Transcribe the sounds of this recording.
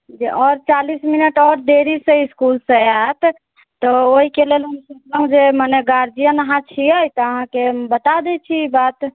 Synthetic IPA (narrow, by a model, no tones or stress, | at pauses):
d͡ʒiʔɔɾt͡ʃalisminəʈɔɾd̪eɾisẽiskulsẽaɦt̪ʰ | t̪ɔoɦikelelɦəmsukləɦũd͡ʒemaneɡaɾd͡ʒijənəɦãt͡ʃʰiəjt̪ɔəɦãkebət̪ad̪ɛt͡ʃʰiibat̪